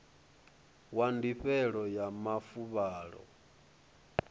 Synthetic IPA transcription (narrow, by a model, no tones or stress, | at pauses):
wandiɸɛɺɔjamafuβaːɺɔ̰